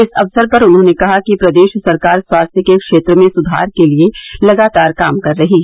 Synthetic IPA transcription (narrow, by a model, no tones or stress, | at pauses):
ɪsɐʋsəɾpɐɾʊnɦõːnekɐɦakipɾɐd̪eːʃsɐɾkaːɾswaːst̪ʰjəkekʃeːt̪ɾəmẽsʊd̪ʱa̰ːɾkelielɐɡaːt̪aːɾkaːmkɐɾːɐɦiɦɛ